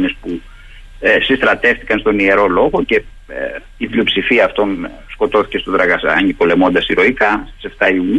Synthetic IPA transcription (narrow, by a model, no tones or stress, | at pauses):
ɲespu | sist̪ɾɐt̪e̞ft̪ikɐnst̪o̞nie̞ɾo̞lo̞ɣo̞ce̞ | ivlio̞psifiɐːft̪o̞n | sko̞t̪o̞θi̥ce̞st̪o̞d̪ɾɐɣɐsɐ̰ɐ̰ɲipo̞le̞mo̞nd̪ɐsiɾo̞ikɐst̪i̥se̞ft̪ɐiuɲ